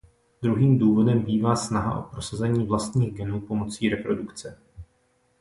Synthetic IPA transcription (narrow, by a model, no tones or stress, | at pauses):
d̪ɾuɦiːmduːvo̞dɛmbiːvaːsnaɦa̰ʔo̞̰pɾo̞sazɛɲiːvlast̪ɲiːɣɡɛnuːpo̞mo̞t͡siːɾɛpɾo̞dukt͡sɛ